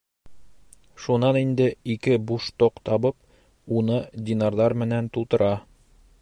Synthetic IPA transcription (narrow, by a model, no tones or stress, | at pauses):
ʃunɑnind̪ɘikɘbuʃt̪oqt̪ɒbɤp̚ | unɤd̪ʲinɑɾlˠɑɾmɘ̆nænt̪ulˠt̪ɤ̆ɾɑ